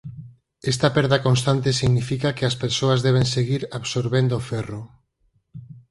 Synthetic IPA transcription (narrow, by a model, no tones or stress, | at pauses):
est̪apɛɾðakonst̪ant̪esiɣnifikakeaspeɾsoazðɛβ̞enseɣ̞iɾaβsoɾβend̪oːfɛro